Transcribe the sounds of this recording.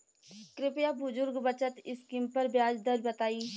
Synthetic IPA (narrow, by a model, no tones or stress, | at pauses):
kɾɪpjabʊzʊɾɡbɐt͡ʃət̪ɪskɪmpɐɾbjaːd͡ʒd̪əɾbɐt̪aːiː